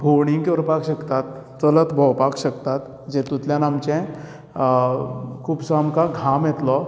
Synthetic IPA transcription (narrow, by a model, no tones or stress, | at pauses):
bʱoɾɽiŋɡkoɾpakɕəkt̪at̪ː | ələt̪bʱəwpakɕəkt̪at̪ | d͡ʑɛ̃t̪ũt̪ljãnamt͡ɕɛ̃ | kʰuːpsamkaɡʱamjɛt̪lɔ